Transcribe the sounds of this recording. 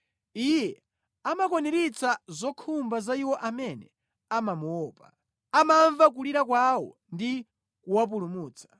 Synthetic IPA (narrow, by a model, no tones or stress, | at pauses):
ijɛ | amakɔnɛɾit͡sazɔkʰumbazaiwɔʔamɛnɛ | amamuwɔːpa | amaɱvak̬uliɾakwawɔ̰ | ndi | kuwap̬ulumuːt͡sʰḁ